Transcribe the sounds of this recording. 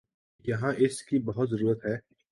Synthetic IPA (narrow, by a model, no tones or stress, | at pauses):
jɐɦãʔɪskibɐɦʊt̪zɐɾuːɾət̪ɦɛː